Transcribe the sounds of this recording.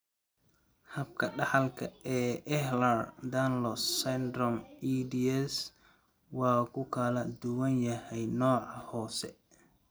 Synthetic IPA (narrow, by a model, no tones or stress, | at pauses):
hɐb̚kʰɐɖɑħɑlkʰɐɛːʔɛhlɐrd̪anlɔsɛnd̪rɔmid̪iɛs | wɑːkʰʊkʰɐlɐd̪ʊwɐnjɐhɛjnɔːʕɑhɔːsɛ